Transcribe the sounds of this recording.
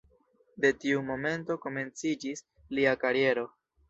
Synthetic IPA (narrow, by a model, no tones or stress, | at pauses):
de̞tiumo̞me̞nto̞ko̞me̞nt͡sid͡ʒis | liakaɾie̞ɾo̞